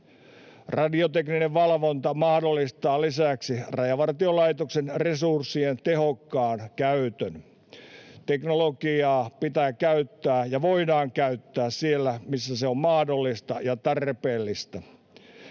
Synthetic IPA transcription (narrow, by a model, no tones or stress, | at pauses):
rɑdiot̪eknineʋʋɑlʋont̪ɑmɑhdolːist̪ɑːlisæksirɑjɑʋɑrt̪iolɑit̪oksenresursːient̪ehokːɑːnkæyt̪øn | t̪eknolokiɑːpit̪æːkæyt̪ːæːjɑʋoidɑːŋkæyt̪ːæːssielːæmisːæseommɑhdolːist̪ɑjɑt̪ɑrpeːlːist̪æ